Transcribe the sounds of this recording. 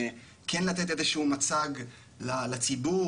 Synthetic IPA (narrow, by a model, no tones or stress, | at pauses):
kʰenlat̪̬et̪ezeʃeumat͡saɡ | lalat͡sibu